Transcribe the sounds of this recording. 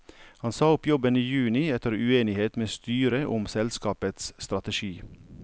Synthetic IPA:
hɑnsɑːʊpjɔbəniːjʉːnɪɛt̪əɾʉeːnɪheːt̪meːst̪yːɾəʔʊmsɛlskɑːpət̪sst̪ɾɑt̪əʃiː

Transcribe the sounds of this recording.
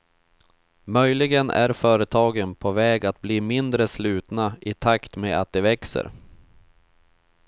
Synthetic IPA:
mœjlɪɡənʔæ̰ɾfœːɾət̪ʰɑːɡənpʰɔvɛːɡat̪̚bliːmɪnd̪ɾəslʉ̟ːt̪naɪt̪ʰakt̪meːa̰t̪̚d̪ɛvɛksə̰ɾ

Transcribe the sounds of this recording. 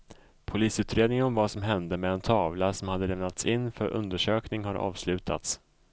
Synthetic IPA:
pʰʊliːsʉ̟ːt̪ɾeːd̪nɪŋɔmvasɔmɦɛnd̪əmɛɛnt̪ʰɑːvlasɔmhad̪ːəlɛmnat̪sɪnːfœɾʔɵ̰nd̪əʂøːknɪŋhaɾʔɑ̰ːvslʉ̟ːt̪ʰa̰t̪s

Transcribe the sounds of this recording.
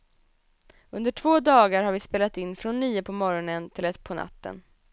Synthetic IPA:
ɵnd̪əʈʰv̥oːd̪ɑːɡaɾhaɾvɪspeːlat̪ɪnːfɾɔnːiːəpʰɔmɔɾɔnənt̪ʰɪlɛt̪pʰɔnʔa̰t̪ːə̰n

